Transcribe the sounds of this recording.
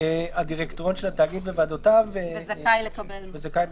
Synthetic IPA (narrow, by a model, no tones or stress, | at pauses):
eadiʁekt̪oʁonʃelataːɡid̪vevaːdotavzakajlekabelvezakaj